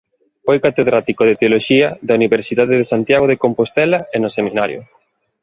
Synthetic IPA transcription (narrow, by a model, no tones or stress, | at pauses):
fojkat̪eðɾat̪ikoðet̪eoloʃiɐðauniβeɾsiðaðeðesant̪jaɣoð̞ekompost̪ɛlaenosemĩnaɾjo̰